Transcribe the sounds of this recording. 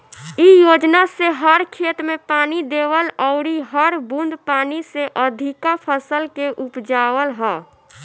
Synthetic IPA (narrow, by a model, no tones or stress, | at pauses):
ijod͡ʒnaseɦəɾkʰet̪ɾmepaːnid̪eʋəlɔʊɾiɦəɾbũnd̪ʱpaːniseʔəd̪ʱikapʰəsəlkeʔupd͡ʒawəlɦɛː